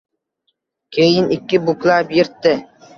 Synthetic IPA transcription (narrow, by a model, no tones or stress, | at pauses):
kʲʰejɪnɪkʲːɪbʊklˠapjɪɾt̪ːɪ